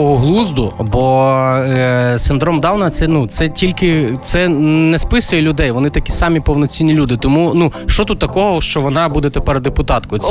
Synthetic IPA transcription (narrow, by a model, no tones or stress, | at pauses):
ɔɦɔɦlˠuzd̪ʊbɔ | sɪnd̪ɾɔmd̪ɑwnɐɐt̪sɛnut̪sɛtʲilʲkɪt̪sɛnɛspɪsʊjɛlʲʊd̪ɛjʋɔnɪt̪ɐkʲi̥sɑmʲipɔwnɔt͡sʲinʲːilʲud̪ɪt̪ɔmunuʃt͡ʃɔt̪ut̪ːɐkɔɦɔʃt͡ʃɔʋɔnɑbud̪ɛt̪epɛɾd̪epʊt̪ɑt̪kʊ